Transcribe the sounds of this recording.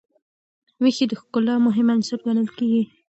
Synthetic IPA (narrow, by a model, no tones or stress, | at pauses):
wixid̪əxkʊlɑmʊɦɪmansəɾɡanəlkeɡi